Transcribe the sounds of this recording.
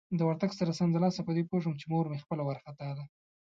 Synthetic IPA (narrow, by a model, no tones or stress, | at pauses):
d̪əwaɾt̪aɡsaɾasand̪əlɑsapəd̪epoʐəmt͡ʃemoɾmexpəlawaɾxat̪ɑd̪a